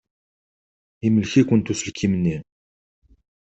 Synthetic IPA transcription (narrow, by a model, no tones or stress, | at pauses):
iməlçikʷənt̪usəlkʰːimənːi